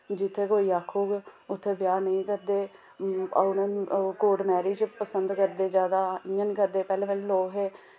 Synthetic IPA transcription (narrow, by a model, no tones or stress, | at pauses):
d͡ʒɪt̪ʰːeːkoːiːaːkʰːoːɡeʊt̪ʰːeːʋjaːnəĩːkəɾd̪eː | nːkoːɖmɛːɾiːd͡ʒpəsənd̪kəɾd̪eːd͡ʒjaːd̪aːɪjãːniːkəɾd̪eːpɛːlẽːʋeːlːloːkɦeː